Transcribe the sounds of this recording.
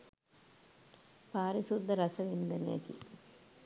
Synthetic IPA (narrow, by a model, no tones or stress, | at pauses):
paːɾisud̪ʱːɐɾɐsɐʋind̪ɐnja̰kḭ